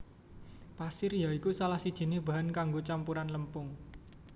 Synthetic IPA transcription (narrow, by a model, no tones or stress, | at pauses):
pasɪrjaikusalahsid̥ʒ̥i̤nɪhb̥a̤ɦankaŋɡot͡ʃampuɾanləmpʊŋ